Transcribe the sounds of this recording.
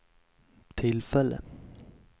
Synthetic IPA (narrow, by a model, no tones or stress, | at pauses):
t̪ʰɪlfɛlːə̰